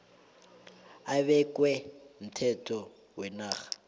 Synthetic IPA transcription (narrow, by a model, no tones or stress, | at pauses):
aβɛkʼwɛm̩tʰɛtʰʼɔ | wɛnaːɣḁ